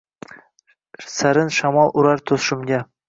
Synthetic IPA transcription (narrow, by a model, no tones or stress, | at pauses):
saɾɪnʃamɒlˠʔʊɾaɾt̪ʰosʃɪmɡʲa